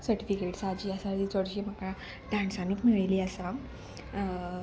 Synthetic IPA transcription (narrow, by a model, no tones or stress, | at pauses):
səɾʈifikeʈsad͡ʑiːasad͡ʑit͡soɽɕimaka | ɖãɳsanukmiɭejliasa